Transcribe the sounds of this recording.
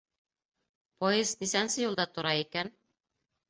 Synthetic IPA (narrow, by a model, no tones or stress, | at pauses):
pojɤzd̪isænsɘjulˠd̪ɑt̪ŏɾɑikæn